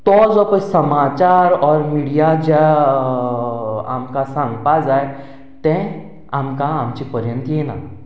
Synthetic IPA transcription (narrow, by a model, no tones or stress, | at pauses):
t̪ɔzɔpəsəmaːt͡ʃaːɾɔːɾmiːɽijad͡ʒa | a̰ːmkasãŋɡpaːzaːe | t̪ɛ̃ | aːmkaamt͡ʃipəɾjə̃nt̪jenaː